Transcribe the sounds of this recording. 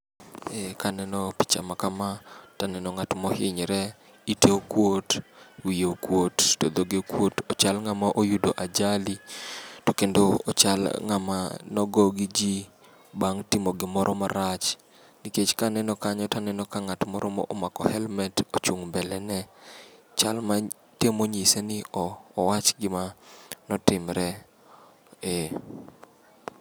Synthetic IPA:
ɛkanɛnɔpi̥t͡ʃa̰makamatanɛnɔŋatmɔhɪɲɾɛ | iteokwotwijeokwottod̪oɡekwotot͡ʃalŋamaʔojudoʔad͡ʒalitokendoot͡ʃalŋama̰nɔɡɔɡɪd͡ʒi | baŋtimoɡɪmɔɾʔɔmaɾat͡ʃ | niket͡ʃkanɛnɔkaɲɔtanɛnɔkaŋatmɔɾʔɔmɔ̰ʔomakɔhɛlmɛtot͡ʃuŋbɛlɛnɛ | t͡ʃalma | temoɲisenɪɔːwat͡ʃɡɪmanɔtɪmɾɛ | e

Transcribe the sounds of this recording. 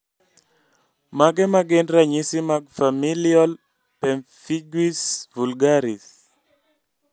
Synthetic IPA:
maɡɛmaɡendɾaɲisimaɡ̚familjɔl | pɛmfiɡwisvulɡaɾis

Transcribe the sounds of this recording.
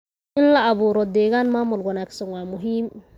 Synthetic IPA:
ʔɪnlɐʔɐβuːɾɔd̪ɛːɣaːnmaːmʊlwɐnaːɡsɐnwaːmʊɦiːm

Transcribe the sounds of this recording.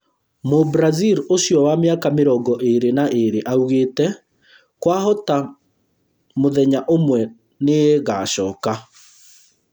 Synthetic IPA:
mobɾaziɾoɕjɔwameakameɾɔɡɔʔeɾenaʔeɾeʔauɣeːtɛ | kwaɦɔta | moðɛɲaʔomwɛ | neeɣaːɕɔːka

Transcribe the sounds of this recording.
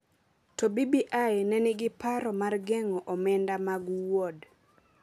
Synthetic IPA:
tɔbibiʔajnɛnɪɡɪpaɾɔmarɡɛŋɔʔɔmɛndamaɡwɔd

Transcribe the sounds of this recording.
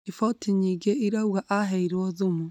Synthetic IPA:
ifɔtʰiɲiːɡeiɾauɣaʔaɦɛiɾwɔðumu

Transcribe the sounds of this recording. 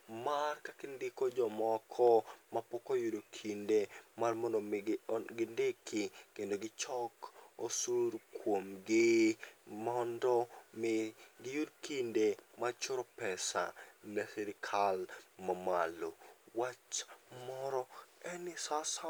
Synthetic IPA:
markakɪndikod͡ʒɔmɔkʰɔmapɔkojudokʰindemarmɔndoɡɪndekʰɪkendoɡɪt͡ʃɔkosuɾkʰwomɡɪ | mɔndɔmɪɡɪjudkindemat͡ʃʊɾɔpɛsa̰nɛsɛɾɪkʰalmamalowat͡ʃmɔɾɔɛnɪsasa

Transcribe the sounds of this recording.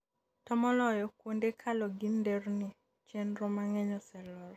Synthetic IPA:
tɔmɔlɔjɔkwondekʰalɔɡinderni | t͡ʃenɾomaŋɛɲɔsɛlɔɾ

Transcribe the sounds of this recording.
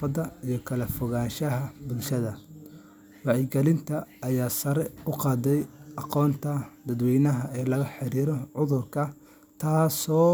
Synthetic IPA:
fɐd̪ɐijɞkʰɐlɐfɔɣaːnʃɐɦɐbʊlʃɐðɐ | wɑʕɪɡɛlɪnt̪ʰɐːjaːsɐɾɛʊqɑːd̪ɛjɑqɔːnt̪ʰɐd̪ɐd̪wɛjnɐɦɐɛːlɐɣɐħɪɾiːɾɔʕʊðʊrkʰɐ | t̪ʰaːsɔː

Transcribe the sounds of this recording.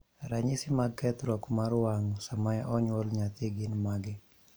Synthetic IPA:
ɾaɲɪsɪmaɡkɛt̪ɾɔkmaɾʊwaŋsamajaʔɔɲwɔlɲat̪ɪɡɪnmaɡɪ

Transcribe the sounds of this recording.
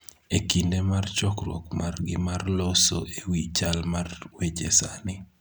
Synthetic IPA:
ekindemart͡ʃɔkrwɔ̰kmarɡɪmarloso̰ewit͡ʃalmarwed͡ʒesanɪ

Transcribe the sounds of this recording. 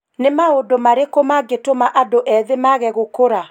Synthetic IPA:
nemaodomaɾekomaɡetomaʔadoʔɛðemaɣɛɣokoɾa

